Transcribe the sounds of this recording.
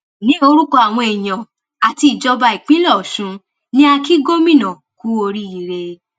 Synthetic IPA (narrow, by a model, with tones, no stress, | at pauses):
nĩ˨˦o˧ɾu˦kɔ˧a˨w̃ɔ̃˧e˨j̃ã˨ | a˨ti˧i˨d͡ʒɔ˧ba˧i˨k͡pĩ˦lɔ˦˨ʃũ˨˧ | nĩ˦a˧ki˦ɡo˦mĩ˦˨nã˨ku˦o˧ɾi˦i˦˨ɾe˧